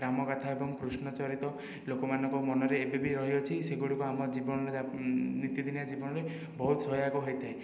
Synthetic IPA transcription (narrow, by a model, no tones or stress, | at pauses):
ɾamɔkat̪ʰaebɔŋpɾusnɔt͡ʃɔɾit̪ɔ | lokɔmanɔŋkɔmɔnɔɾeːbebiɾɔɦiɔt͡ʃʰiseɡuɽikuamɔd͡ʒibɔnɔɾenit̪id̪ʱinjad͡ʒibɔnɔɾe | bɔɦut̪sɔjakɔɦojt̪ʰae